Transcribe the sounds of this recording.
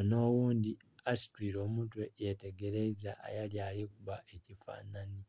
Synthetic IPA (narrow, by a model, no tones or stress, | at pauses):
no̞ːwuːndi | asi̥twiːɾo̞ːmutwejete̞ɡe̞ɾezaʔːjaljalikuβaʔecifa̰ːnani